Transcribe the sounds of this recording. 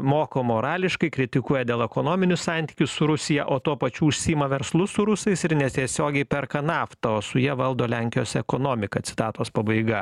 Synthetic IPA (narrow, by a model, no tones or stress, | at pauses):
moːkoːmoːɾɑːlʲɪʃkɐɪkɾʲɪt̪ʲɪkuɔjɛd̪ʲeːlˠɛkoːnoːmʲɪnʲʊssɑːnʲt̪ʲiːkʲʊssʊɾʊsʲɪjɛʔoːt̪uɔpɐt͡ʃʲuːʊʃʲsʲiimɐʋʲɛɾslˠʊsʊɾʊsɐɪsɪɾnʲɛt̪ʲiɛsʲoːɡʲɛɪpʲɛɾkɐnɑːft̪ɐoːsʊjiɛʋɐlˠd̪oːlʲæŋʲkʲɪjoːsʲɛɛkoːnoːmʲɪkɐt̪sʲɪ̥t̪ɑːt̪oːspɐbɐɪɡɐ